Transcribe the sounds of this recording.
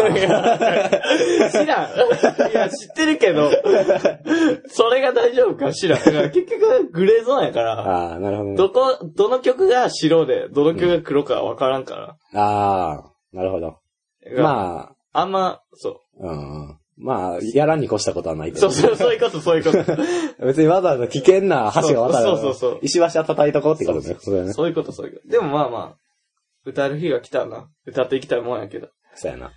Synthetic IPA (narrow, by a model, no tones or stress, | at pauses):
ɡa | ɕiɾãjaɕi̥t̪ːe̞ɾɯ̟ke̞d̪o̞ | so̞ɾe̞ɡad̪aiʑo̞ːbɯ̟kaɕiɾãaɡake̞kʲːo̞kɯɡɯ̟ɾe̞ːzõːjakaɾaanaɾɯɦod̪od̪okod̪̥o̞no̞kʲo̞kɯ̟ɡaɕiɾo̞ːd̪e̞̰d̪o̞no̞kʲokɯɡakɯ̟ɾo̞ka̰βa̰kaɾãŋka̰ɾa̰ | aː | naɾɯ̟ɦod̪o̰ | aɡamaː | ãmːa | so̰ː | ɯ̰̃ | maːjaɾaɲ̟ːiko̞ɕi̥t̪ako̞t̪o̞anait̪esoːsosoːjɯkot̪osoːjiɯkobe̞t͡sɨɲimazanokʲikẽ̞nːahaɕiɡaβat̪aɾsoːoːso̰ːiɕiβaɕiat̪at̪ait̪o̞kot̪eikot̪om̰josonsoːjɯ̟ko̞t̪osoːjḭkod̪e̞mo̞maːma̰ː | ɯ̟t̪aɾɯ̟çiɡakʲi̥t̪ana̰ | ɯ̟t̪at̪ːeikʲi̥t̪aimõnjake̞d̪o | soːja̰na̰